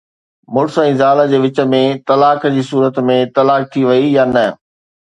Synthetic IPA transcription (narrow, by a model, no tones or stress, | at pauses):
mʊɾsɛ̃ːzaːləd͡ʑeːʋɪt͡ɕə̆mẽt̪ɐlaːkd͡ʑiːsuːɾət̪mẽt̪ɐlaːk̚t̪ʰiʋɐijaːnɐ